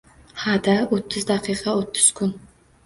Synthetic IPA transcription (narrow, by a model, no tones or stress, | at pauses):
had̪aot̪ʰːʊzd̪aqʰijqʰɑot̪ʰːʊ̥z̥kʰʊn